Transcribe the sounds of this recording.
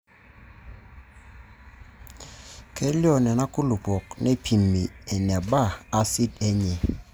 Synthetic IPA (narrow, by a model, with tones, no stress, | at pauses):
ke˦li˦ɔ˦˨nɛ˨na˦ku˦lu˨pɔ˨k̚ne˦pʰi˨mːi˨e˨ne˨baː˦˨si˦te˦ɲi˨